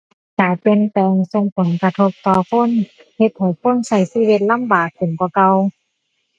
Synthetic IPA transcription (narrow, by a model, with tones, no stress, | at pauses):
kaː˨˩pe˧˨nt̪ɛː˧ŋso˧ŋpʰɔ˨˦ŋka˧t̪ʰo˧p̚t̪ɔː˧kʰo˧˥˨n | he˧t̪̚ha˨˩jfʰo˧˥˨nsa˧˩jsiː˧˥˨we˧t̪̚la˧˥˨mbaː˨˩k̚pɯ˨nkɔ˧˦ka˧w